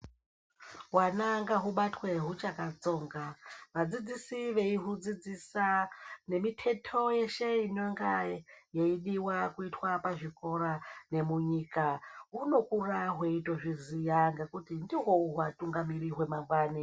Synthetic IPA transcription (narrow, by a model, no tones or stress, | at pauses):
ɦwanaŋɡaɦuɓatwe̞ɦut͡ʃakat͡so̞ːŋɡaʋad͡zid͡zisiʋe̞iɦud͡zid͡zisane̞mitʰe̞tʰo̞je̞ʃeinoŋɡajeiɗiwakuitwapaʐiko̞ɾane̞muɲiːkaɦuno̞kuraɦweitwoʐizijaŋɡakutindiɦo̞uɦwatuŋɡamiriɦwe̞mambwaːni